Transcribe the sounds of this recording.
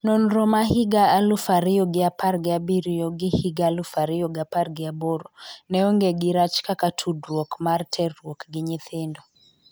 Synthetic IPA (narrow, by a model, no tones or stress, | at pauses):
nɔnɾɔmaɦiɡaːlufaɾɪɔɡɪapaɾɡɪabiɾijɔɡɪhiɡalufaɾɪjɔɡaparɡɪabɔɾɔnɛɔŋɡɛɡɪɾat͡ʃkakatʰudrwɔkmartʰɛrwɔkɡɪɲɪθɪndɔ